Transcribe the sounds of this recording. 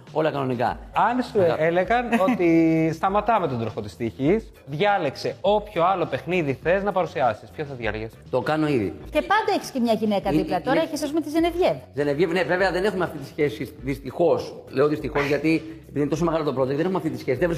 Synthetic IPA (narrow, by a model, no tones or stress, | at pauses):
o̞lɐkɐno̞nikɐ̰ɐnsuele̞ɣɐno̞t̪ist̪ɐmɐt̪ɐmet̪od̪ɾoxot̪i̥st̪içis | ðʝɐle̞kse̞o̞pço̞ɐlo̞pe̞xniðiθe̞znɐpɐɾusiɐsispçoθɐðʝɐ̰ɾʝest̪o̞kɐno̞iðḭcepɐnd̪ɐeçi̥scemɲɐʝine̞kɐðiplɐt̪o̞ɾɐeçesɐzumet̪izenevʝevzenevʝeneveveɐðe̞nexumeɐft̪it̪isçesiðist̪ixo̞sleoðist̪ixo̞zʝɐt̪iepiðinet̪osomeɣɐlo̞t̪opɾo̞t̪oeðenexumeɐft̪it̪isçesiðevɾis